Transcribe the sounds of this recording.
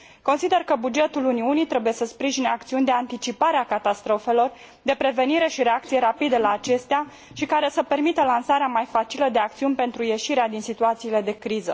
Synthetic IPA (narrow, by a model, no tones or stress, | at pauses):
ko̞nsid̪e̞rkəbud͡ʒe̞t̪uluniunijt̪ɾe̞buje̞səspɾiʒineak̚t̪siunʲd̪e̞ant̪it͡ʃipaɾeakat̪ast̪ɾo̞fe̞lo̞r | d̪e̞pɾe̞ve̞niɾe̞ʃiɾe̞akt̪sije̞ɾapid̪əlaːt͡ʃe̞st̪ea | ʃikaɾe̞səpe̞rmit̪əlansaɾeamajfat͡ʃiləd̪e̞ak̚t̪siunʲpe̞nt̪ɾuje̞ʃiɾead̪insit̪uat̪siːle̞d̪e̞kɾizə̰